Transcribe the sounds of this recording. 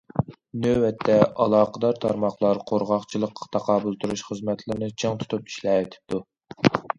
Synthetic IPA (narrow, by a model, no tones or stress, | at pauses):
nøwɛt̪ʰːɛɑ̰lˠɑːqʰəd̪ɑɾt̪ʰɑɾmɑχlˠɑɾqʰoɾʁɑχt͡ʃʰilˠəqːɑ̥t̪ʰɑqʰɑːbulˠt̪ʰuɾuʃχəzmɛt̪ʰlɪɾnɨt͡ʃʰeŋt̪ʰu̥t̪ʰupi̥ʃlɛːet̪ʰɪ̥p̚t̪u